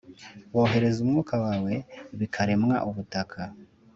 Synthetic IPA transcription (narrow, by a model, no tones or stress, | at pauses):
wo̞ːɦe̞ɾe̞zumŋuːkawaːwe̞βikʰaɾe̞mŋa̰ʔuβutakʰa